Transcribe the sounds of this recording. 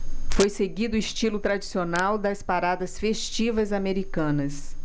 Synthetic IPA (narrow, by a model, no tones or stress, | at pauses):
fojseɡid̪ʊiʃt͡ʃilʊt̪ɾad͡ʒisionawd̪ɐspaɾad̪ɐsfeʃt͡ʃivɐzameɾikɐ̃nɐs